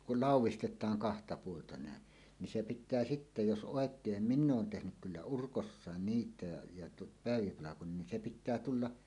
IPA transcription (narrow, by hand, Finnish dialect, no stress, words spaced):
kul lɑˑuwˑistetˑɑːŋ kɑhtɑ puoltɑ næˑen nin se pitˑæː sitːe jos ʔoˑekˑeːm minː oːn tehnyk kylːæ urkosːɑˑen niːtˑæˑe jɑ tu pæˑeʋipɑlɑkon nin se pitˑæː tulːɑ